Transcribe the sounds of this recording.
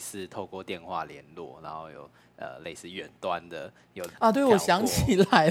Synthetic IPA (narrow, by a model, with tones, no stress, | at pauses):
sɹ̩˥˧t̪ʰo˥˧ʊkwɔ˥˧t̪jɛ˥˨nxwa̰˥˩ljɛ˧˦nlwɔ̰˥˩na˨˧˦nxo˥˩ʊjo̰˨˩ʊ | ə̰˨˩le˥˧ɪsɹ̩˥˩ɥɛ˨˩nt̪wa˦nd̪ə˨ | jo˨˩ɐ˨t̪we˥˩ɪwɔ˨˩ɕjɑ˧˥ŋt͡ɕʰi˨˩la˨˧˥